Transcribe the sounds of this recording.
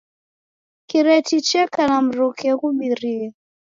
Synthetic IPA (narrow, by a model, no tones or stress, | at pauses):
kiɾɛtit͡ʃɛkanam̩ɾukɛkuɓiɾia